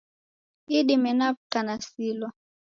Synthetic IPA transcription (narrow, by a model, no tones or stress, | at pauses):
iɗimɛnap̚tanasilɔ